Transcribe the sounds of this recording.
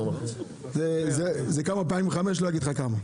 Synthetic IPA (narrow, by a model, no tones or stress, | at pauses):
zezezekamap̬aĩmveχameʃ̬lojaɡid̪χakama